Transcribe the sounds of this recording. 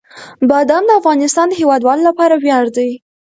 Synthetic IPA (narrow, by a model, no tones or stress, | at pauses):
bɑd̪amd̪əafɣɑnɪst̪ɑnd̪əhewɑd̪wɑlolapɑɾawjɑɽd̪aj